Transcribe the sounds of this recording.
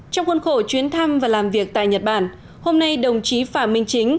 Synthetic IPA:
t͡ɕɔ˧wŋ͡mkə˧nxo˧˩t͡ɕwi˨˦ənt̪ʰa˧mvaː˨˩laː˨˩mvi˨˩ək̚t̪a̰ː˧˨jɲə˨˩t̚ɓaː˧˩n | ho˧mna˧jɗə˨˩wŋ͡mt͡ɕi˨˦faː˧˩mï˧ŋ̟t͡ɕï˨˦ŋ̟

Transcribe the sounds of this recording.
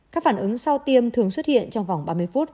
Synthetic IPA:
kaː˦˥k̚faː˧˩nʔɨ˨˦ŋsa˧wt̪i˧əmt̪ʰɨ˨˩əŋswə˦˥t̚hḭ˧˨ənt͡ɕɔ˧wŋ͡mva˨˩wŋ͡mɓaː˧mɨ˧əjfu˦˥t̚

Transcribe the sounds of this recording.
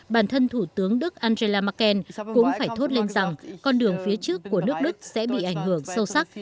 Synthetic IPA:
ɓaː˧˩nt̪ʰə˧nt̪ʰu˧˩t̪ɨ˨˦əŋɗɨ˦˥k̚ʔaː˧nze˧laː˧ma˧˥kɛ˧nkʊ̰˧˥ŋ͡mfaː˧˩jt̪ʰo˦˥t̚le˧nza˨˩ŋkɔ˧nɗɨ˨˩əŋfi˨˦ət͡ɕɨ˦˥əkːu˧˩ənɨ˦˥ək̚ɗɨ˦˥k̚sɛ̰˧˥ɓḭ˧˨ʔa˧˩jŋ̟hɨ˧˩əŋsə˧wsa˦˥k̚

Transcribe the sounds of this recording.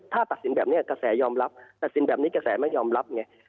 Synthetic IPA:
t̪ʰaː˥˩t̪a˨˩t̪̚si˨˩˦nbɛː˨˩p̚i˦˥˩ɐ˨ka˧sɛː˩˦jɔː˧mɾa˦˥p̚t̪a˨˩t̪̚si˨˦nbɛː˨˩pniː˦˥ka˧˩sɛː˩˦ma˥˩jɔː˧mɾa˦˥p̚ŋa˧˩j

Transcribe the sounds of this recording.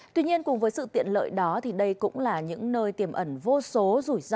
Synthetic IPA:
t̪wi˧ɲi˧ənkʊ˨˩ŋ͡mvəː˨˦jsɨ̰˧˨t̪ḭ˧˨ənlə̰ː˧˨jɗɔ˨˦t̪ʰi˨˩ɗə˧jkʊ̰˧˥ŋ͡mlaː˨˩ɲɨ̰˧˥ŋnəː˧jt̪i˧˩əmʔə˧˩nvo˧so˨˦zu˧˩jz

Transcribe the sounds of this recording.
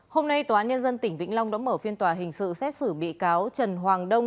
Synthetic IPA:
ho˧mna˧jt̪oː˨˩ʔaː˨˦nɲə˧nzə˧nt̪ï˧˩ŋ̟vḭ˧˥ŋ̟la˧wŋ͡mɗa̰ː˧˥məː˧˩fi˧ənt̪waː˨˩ɦï˨˩ŋ̟sɨ̰˧˨sɛ˦˥t̚sɨ˧˩ɓḭ˧˨kaː˨˦wt͡ɕə˨˩nɦwaː˨˩ŋɗə˧wŋ͡m

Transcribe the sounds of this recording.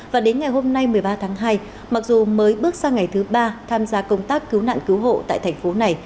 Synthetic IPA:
vaː˨˩ɗe˨˦nŋa˨˩jɦo˧mna˧jmɨ˨˩əjɓaː˧t̪ʰaː˨˦ŋɦaː˧j | ma˨˩k̚zu˨˩məː˨˦jɓɨ˦˥ək̚saː˧ŋa˨˩jt̪ʰɨ˨˦ɓaː˧t̪ʰaː˧mzaː˧kə˧wŋ͡mt̪aː˦˥kːɨ˨˦wna̰ː˧˨nkɨ˨˦wɦo̰˧˨t̪a̰ː˧˨jt̪ʰjŋ̟fo˨˦na˨˩j

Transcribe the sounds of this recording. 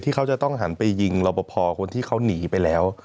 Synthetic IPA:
t̪ʰiː˥˩kʰa˦˥wt͡ɕa˨˩t̪ɔ˥˩ŋɦa˩˦npa˧jːi˧ŋlɔ˧wpɔ˧˩pʰɔː˧kʰo˧nt̪ʰiː˥˩kʰa˦˥wniː˩˦pa˧jlɛː˦˥w

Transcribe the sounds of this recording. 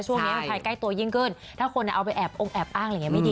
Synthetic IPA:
t͡ɕʰu˥˩ŋn˦˥a˧kʰaː˧jka˥˩jt̪u˧ɐjiː˥˩ŋkɤː˥˩nt̪ʰaː˥˩kʰo˧na˨˧˩ʔa˧wp̬a˧jʔɛː˨˩p̚ʔo˧ŋʔɛː˨˩p̚ʔaː˥˩ŋa˧˨ŋ˦˥ma˥˩diː˧

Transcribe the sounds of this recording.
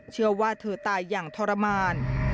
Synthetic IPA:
t͡ɕʰɯ˥˩ɐwaː˥˩t̪ʰɤː˨˩t̪aː˧jːaː˨˩ŋt̪ʰɔː˧ɾa˧maː˧n

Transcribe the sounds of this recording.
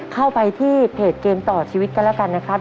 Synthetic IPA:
kʰa˥˩wpa˧jt̪ʰiː˥˩pʰeː˨˩t̪̚keː˧mt̪ɔː˨˩t͡ɕʰiː˧wi˦˥t̪̚ka˧nlɛ˦˥˩wka˧nːa˦˥kʰɾa˦˥

